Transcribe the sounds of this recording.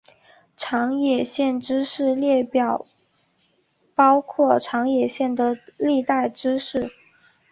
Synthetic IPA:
ʈ͡ʂʰɑ˧˥ŋjɛ˨˩ɕjɛ˥˩nʈ͡ʂɻ̩˥ʂɻ̩˥˧ljɛ˥˩pjɑ˨˩˦ʊ | pɑ˥ʊkʰwɔ˥˩ʈ͡ʂʰɑ˧˥ŋjɛ˨˩ɕjɛ˥˩nd̪ə˩li˥˧t̪a˥˩ɪʈ͡ʂɻ̩˥ʂɻ̩˥˩

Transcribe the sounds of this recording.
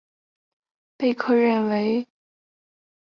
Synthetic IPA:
pe˥˧ɪkʰɤ˥˧ɻə˥˩nwe˧˥ɪ

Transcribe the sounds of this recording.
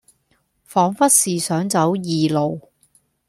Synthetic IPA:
fɔː˨˥ŋfɐ˥t̚siː˨sœː˨˥ŋt͡sɐ˨˥wjiː˨lo˨w

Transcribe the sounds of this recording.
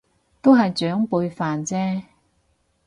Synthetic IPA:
t̪o˥wɦɐ˨jt͡ʃœː˨˥ŋpuː˧jfaː˨nt͡sɛː˥

